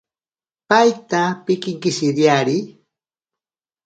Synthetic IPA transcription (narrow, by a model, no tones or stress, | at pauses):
pajt̪apɪkɪŋkɪʃɪɾjaɾi